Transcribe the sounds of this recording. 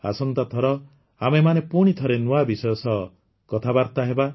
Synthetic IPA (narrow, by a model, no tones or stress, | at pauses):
a̰sɔnt̪at̪ʰɔɾɔ | amemanepuɽ̃it̪ʰɔɾenuabisɔjɔsɔ | kɔt̪ʰabaɾt̪aɦeba